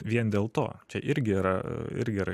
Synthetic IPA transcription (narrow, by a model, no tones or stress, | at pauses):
ʋʲiɛnd̪ʲeːlˠt̪o̰ːt͡ʃʲɛʔɪɾʲɡʲɪiːɾɐɪ̰ɾʲɡʲɪiːɾɐ